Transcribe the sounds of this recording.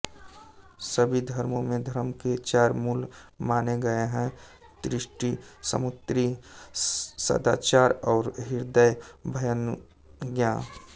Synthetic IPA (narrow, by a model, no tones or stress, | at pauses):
səbʱid̪ʱəɾmõmẽd̪ʱəɾmket͡ʃaːɾmuːlmaːneɡəeɦɛ̃ | d̪̥ɾɪʃʈisə̰mʊt̪ɾi | sə̰d̪a̰ːt͡ʃaːɾɔːɾɦɪɾd̪əjbʱəjən | ɡjãː